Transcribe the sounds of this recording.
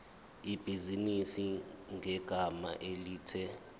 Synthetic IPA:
ib̥ʱizinisiŋʱɛɡ̥ʱama̰ʔeliːtʰɛ

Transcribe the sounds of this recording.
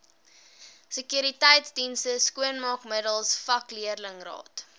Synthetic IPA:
səkjyɾitɛjtsdinstəskuənmɑkmədəlˠsfɐkliərləŋrɑ̰ːt

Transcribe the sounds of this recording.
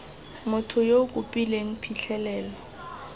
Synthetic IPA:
mʊtʰʊjokʼʊpʼileŋ̩pʰiɬʰɛlɛːlɔ

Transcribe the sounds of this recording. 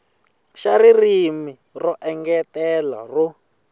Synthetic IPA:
ʃaririmirɔʔɛŋɡɛtɛla̰ru

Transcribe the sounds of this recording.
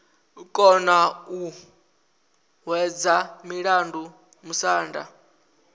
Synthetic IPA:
kʼɔnau | ɦwɛd͡zamiɺandu | musaːnda̰

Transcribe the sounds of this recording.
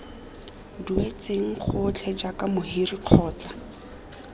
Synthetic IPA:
duet͡seŋ̩χʊt͡ɬʰɛd͡ʒakamʊɦiriq͡χʰɔːt͡sḁ

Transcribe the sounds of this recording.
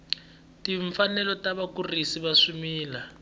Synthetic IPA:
tiɱfanɛlɔtaβakurisiβaʂumiːla

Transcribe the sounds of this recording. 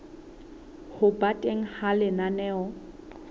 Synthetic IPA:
hʊbatʼeŋ̩halɪnanɛːɔ

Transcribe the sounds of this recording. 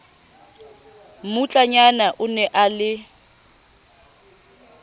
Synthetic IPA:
mʊt͡ɬʼaɲanaʔʊnɛʔalɪ

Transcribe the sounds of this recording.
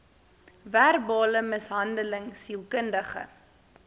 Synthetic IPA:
værbɑːləməsɦɐndələŋsilˠkəndəχə̰

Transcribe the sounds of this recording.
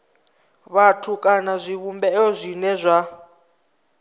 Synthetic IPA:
βatʰukʼanazʷiβumbɛɔzʷinɛzʷa

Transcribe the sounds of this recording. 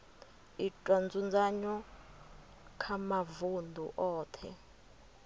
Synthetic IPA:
itʼwɔnd͡zund͡zaɲɔ | kʰamavundʱṵʔɔːtʰɛ̰

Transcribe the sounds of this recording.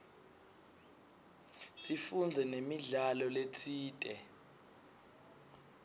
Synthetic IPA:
sifund͡zʱɛnemiɮalɔlet͡sʰiːtʼɛ

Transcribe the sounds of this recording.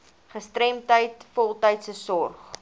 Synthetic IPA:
χəstɾɛmtəjtfɔlˠtəjtsəsɔrχ

